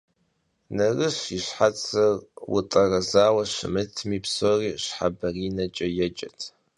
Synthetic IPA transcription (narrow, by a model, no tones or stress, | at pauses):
nɐrɨɕiɕħat͡sʰʼɐrwʊ̰tʼɐrɐzaːwɐɕɪ̰mɨtʰmiːpsoːriːɕħa̰bɐriːnɐt͡ʃʼɐjɛd͡ʒʼɐtʰ